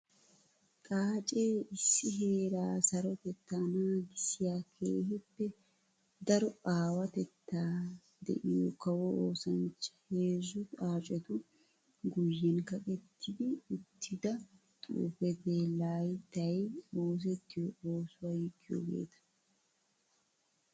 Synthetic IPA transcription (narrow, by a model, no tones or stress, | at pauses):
kʼaːt͡ʃʼeːʔɪsːɪɦe̞ːɾaːsɐɾɔt̪ɛt̪ːaːnaːɡɪsːɪjaːkʰḛːhɪpːɛ | d̪ɐɾɔaːwɐt̪ɛt̪ːaː | d̪ɛ̰ʔɪjɔkɐwɔʔoːsɐnt͡ʃːɪ̥heːzʊt̪aːt͡ʃʼɛt̪ʊ | ɡʊjːɛnkɐkʼɛt̪ʰːɪd̪ɪːt̪ʰːɪd̪ɐ | t̪ʼṵːfɛd̪eːlːaːjt̪ːɐjoːs̬ɛt̪ːɪjɔoːsʊwajɪkʼːɪjɔ̰ɡḛːt̪ɐ̥